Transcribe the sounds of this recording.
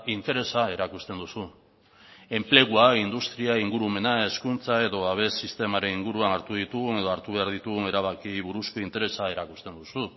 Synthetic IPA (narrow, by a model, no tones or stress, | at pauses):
int̪e̞ɾe̞sae̞ɾakust̪e̞nd̪usu | e̞mple̞ɣuaind̪ust̪ɾiaiŋɡuɾume̞nae̞skunt͡sae̞ðo̞aβ̞e̞sːist̪e̞maɾe̞niŋɡuɾuanaɾt̪uðit̪uɣune̞ðo̞aɾt̪uβe̞aɾð̞it̪uɣune̞ɾaβakiβuɾusko̞int̪e̞ɾe̞sae̞ɾakust̪e̞nd̪usu